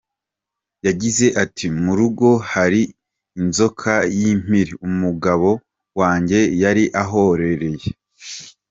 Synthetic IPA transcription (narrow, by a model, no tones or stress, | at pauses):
jaɟize̞ʔatʰimuɾuɡo̞haɾiː | nzo̞kʰajim̥iɾiumuɡaβo̞ | waːɲɟe̞jaɾiʔaɦo̞ɾe̞ɾe̞je